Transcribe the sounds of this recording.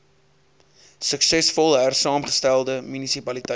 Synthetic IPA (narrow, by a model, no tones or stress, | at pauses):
səksɛsfɔlˠɦærsɑːmχə̥stælˠdəmynisipɐlitə